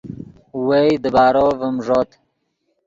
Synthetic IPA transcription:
wejd̪əbaːɾovəmʐoːt̪

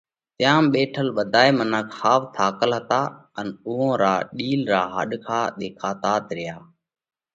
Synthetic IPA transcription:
t̪jãːmɓeːʈʰəlɓəd̪ʱaːeːmənəkhaːʋt̪ʰaːkəlɦət̪aːənʊɦõːɾaːɗiːlɾaːɦə̰ɗkʰaːɗ̪eːkʰaːt̪aːt̪ɾɪjaː

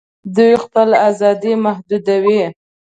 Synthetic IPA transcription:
d̪ujxpəlazɑd̪imahd̪ud̪awi

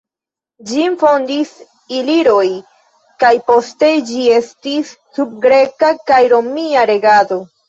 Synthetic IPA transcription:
d͡ʒinfo̞ndis | iliɾo̞j | kajpo̞ste̞d͡ʒie̞stisːub̚ɡɾe̞kakajɾo̞miaɾe̞ɡado̞

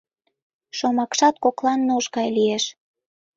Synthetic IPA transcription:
ʃomɑkʃɑt̪̚koklɑnːooʃkɑjlieʃ

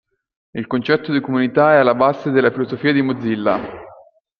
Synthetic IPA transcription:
ilkont͡ʃɛt̪ːod̪ikomunit̪aɛalːabazed̪elːafilozofiːad̪imod̪zːilːa̰

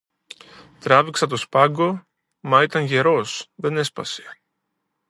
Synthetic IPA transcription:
t̪ɾɐviksɐt̪o̞spɐɡo̞ | mɐit̪ɐŋʝe̞ɾo̞sðe̞ne̞spɐ̰se̥

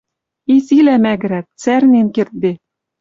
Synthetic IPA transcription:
isilæmæɡɘ̆ɾæk̚t͡særnʲenkert̪̚be

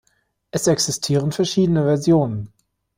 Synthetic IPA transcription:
ʔɛsʔɛksɪstʰiːʁ̞ənfɛɐʃiːdənəvɛɐzjoːnən

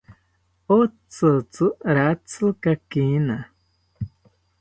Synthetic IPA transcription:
ot͡sɨt͡sɨɾat͡sɨkakina

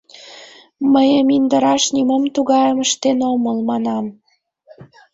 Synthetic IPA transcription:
məjəmind̪əɾɑʃnimomt̪uɣɑjəməʃt̪enoməlmɑnɑm

